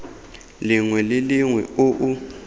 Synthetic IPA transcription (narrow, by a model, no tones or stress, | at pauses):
liŋwɛlɪliŋwɛ̰oʔu